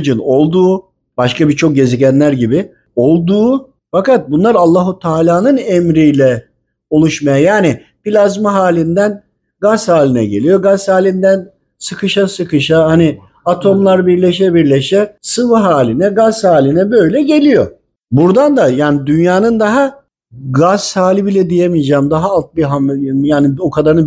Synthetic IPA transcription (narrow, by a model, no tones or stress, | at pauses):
d͡ʒɯno̞lˠd̪uː | b̥aʃkabit͡ʃʰo̞k̚ɟe̞ziɟænlʲæɾɟibi | o̞lˠd̪uː | fakat̪̚bunlˠaɾalˠːaɦut̪ʰaːlʲaːnɯnɛmɾijlʲɛ | olˠuʃmajajaːni | pilʲazmaɦaːlʲind̪æn | ɡashaːlʲinɛ̰ɟe̞̰lʲijo̞ɡashaːlʲind̪æn | sɯkʰɯʃasɯkʰɯʃahani | at̪ʰo̞mlˠaɾbiɾlʲeʃ̬ɛbiɾlʲeʃɛsɯvɯɦaːlʲinɛɡazhaːlʲinɛbø̞jlʲɛɟe̞lʲijo̞̰ | buɾd̪and̪ajaːnid̪ynjaːnɯnd̪aɦa | ɡazhaːlʲibilʲɛd̪ijemijd͡ʒaːmd̪aɦaalˠt̪̚biɦamjaːniokʰad̪aɾ